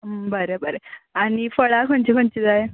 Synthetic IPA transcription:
bəɾebəɾeaɽ̃ifəɭakʰont͡ɕikʰoɲt͡ɕid̪aje

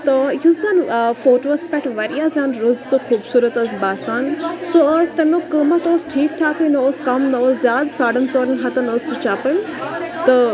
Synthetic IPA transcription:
t̪ɐjuzɐnfoːʈoɐspɛʈʋɐɾijaːzãːnɾʊzt̪oxʰuːbsuːɾət̪ɐsbaːsaːnsoɐst̪ɐmokəmɐt̪oːsʈʰiːk̚ʈʰaːkoinɐoːskɐmnɐoszjaːd̪saːɖənt͡sɔːɾənɦɐt̪ɐnoːsut͡ʃaːpəlt̪ɐ

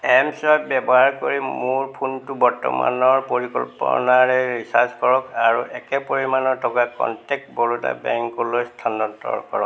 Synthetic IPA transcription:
ɛmsɔjbɛbɔɦaɹkoɹimuɹpʰuntubɔɹtɔ̰ma̰nɔɹpoɹikɔ̰lpɔ̰naɹɛɹisaskɔɹɔkaɹuʔɛkɛpoɹimanɔɹtʰɔkakɔ̰ntɛk̚tbɔɹuta̰bɛŋkɔlojst̪ʰanɔtːɔ̰ɹkɔɹɔk

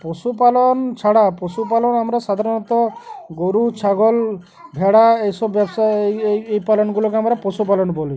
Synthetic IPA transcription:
pɔsupalɔnt͡ʃʰaɽapɔsupalɔnamɾɔsad̪ʱaɾɔnɔt̪ɔɡoɾut͡ʃʰaɡɔl | bʱeɽaejsɔbjɔbsaejpalɔnɡulɔkeamɾɔpɔsup̬alɔnbɔli

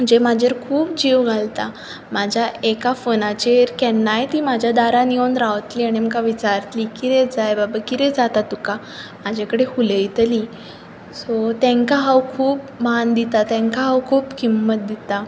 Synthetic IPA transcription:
m̤əd͡ʑemad͡ʑʱeɾkʰuːp̚d͡ʑiʋɡʱalt̪a | mad͡ʑʱjaekafonat͡ɕeɾkɛnːajt̪iːmad͡ʑʱjad̪aɾaniond̪ɾaʋt̪liːaɽ̃iməkaʋit͡ɕaɾt̪liːkit̪ɛd͡zajbabakit̪ɛd͡zat̪at̪uka | mad͡ʑʱakəɽehulejt̪əli | sɔt̪ɛ̃ŋkaɦawkʰuːp | mand̪it̪at̪ɛ̃ŋkaɦawkʰuːpkimːət̪̚d̪it̪a

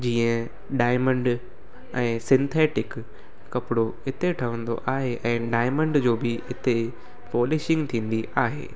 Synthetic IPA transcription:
d͡ʑiːə̃ | ɖaːɪmə̃ɳɖ | ɛ̃ːsɪ̃nt̪ʰeːʈɪkː | ɐpɪɽoɦɪt̪eʈʰɐʋə̃nd̪o̰ʔaːɦeʔɛ̃ːɖaːɪmə̃ɳɖd͡ʑoːbɪɦɪt̪e | foːleːʃɪ̃ŋɡt̪ʰĩːn̆d̪iaːɦḛː

